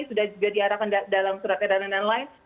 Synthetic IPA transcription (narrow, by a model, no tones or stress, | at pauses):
sudahd͡ʒuɡadiaɾakandalamsuɾat̪eɾanananlaɪn